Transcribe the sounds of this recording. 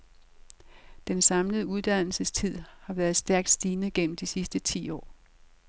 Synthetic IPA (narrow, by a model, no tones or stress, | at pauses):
d̥ensɑ̈mləð̞̩ˠəuð̞ˠd̥æn̰l̩səst͡sʰið̞̰ˠhɑ̈ʋæːɐð̩ˠsd̥æɐɡ̥̚d̥sd̥iːnəɡ̥en̰m̩d̥isisd̥ət͡sʰḭːɒ̰ː